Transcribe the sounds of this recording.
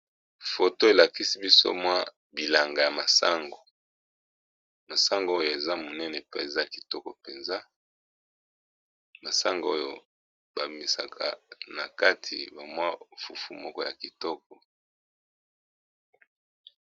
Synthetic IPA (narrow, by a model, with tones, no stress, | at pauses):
fo˨to˦e˨la˨ki˦si˦bi˦so̰˦mwa˦ | bi˨la˨ŋɡa˨ja˨ma˨sa̰˦ŋɡo˨ | ma˨sa˦ŋɡo˨˦o˦jo˨e˨za˦mo˨nɛ˦nɛ˨pɛ˨za˦a˨ki̥˨tɔ˦kɔ˨pe˨nza˦ | ma˨sa˦ŋɡo˨o˦jo˨ | ba˨bi˨mi˨sa˨kʰa̰˨na˨ka˦tʰi˨ba˨mwa˦fu˨fu˨mɔ˦kɔ˦ja˨ki˨tɔ˦k̚ɔ˨